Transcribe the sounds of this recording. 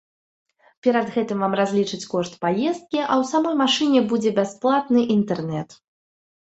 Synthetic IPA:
pʲɛɾad̪ɣɛt̪ɨmvamrazʲlʲit͡ʂɨt͡sʲkɔʂt̪pajɛst̪̚kʲiʔɐwsamɔjmaʂɨnʲɛbud͡zʲɛbʲasplˠat̪nɨʔint̪ɛrnɛt̪

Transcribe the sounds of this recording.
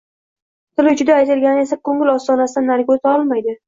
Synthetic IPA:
t̪ʰɪlɪd͡ʒʊd̪aːjt̪ʰɪlɡʲanɪe̞sakʰoŋɪlɒst̪ɒnasɪd̪anːaɾkʲozɒlˠmajd̪ɪ

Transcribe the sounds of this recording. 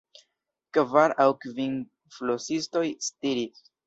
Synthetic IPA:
kvaɾawkvin | flosisto̞jstiɾis

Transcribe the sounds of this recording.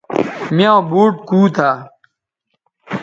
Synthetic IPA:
mjãobuːʈ̚kuːt̪ʰa

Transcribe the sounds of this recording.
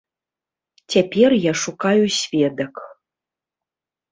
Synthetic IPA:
tʲɛpʲerjaʂukajusʲvʲed̪ək

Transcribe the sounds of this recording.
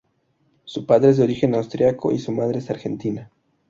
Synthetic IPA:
supaðɾeezðeo̞ɾixenawst̪ɾjako̞̰ʔisumað̞ɾeesaɾxent̪ina

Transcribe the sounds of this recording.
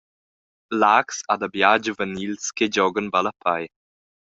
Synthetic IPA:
laksad̪abjad͡ʒəvənilsked͡ʒɔɡənbalapʰaj

